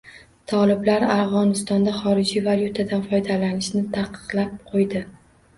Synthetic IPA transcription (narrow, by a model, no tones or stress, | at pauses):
t̪ʰɒlɪblaɾavʁɒnɪst̪ɒnd̪aχɒɾɪd͡ʒivalʲjut̪ʰad̪anfɒjd̪alanɪʃnɪt̪ʰaqʰːɨ̥qlˠap̚qʰojd̪ɪ